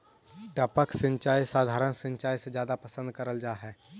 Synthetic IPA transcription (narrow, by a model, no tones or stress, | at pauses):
ʈəpəksə̃ɲt͡ʃaːjsaːd̪ʱaːɾənsə̃ɲt͡ʃaːjsed͡ʒjaːd̪apəsə̃nd̪̚kəɾəld͡ʒaːɦɛː